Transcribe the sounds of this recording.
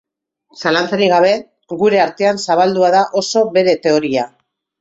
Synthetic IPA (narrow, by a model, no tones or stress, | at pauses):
salant͡saɾiɣaβ̞e̞ | ɣuɾe̞aɾt̪e̞ansaβ̞ald̪uaðaʔo̞so̞βe̞ɾe̞t̪e̞o̞ɾia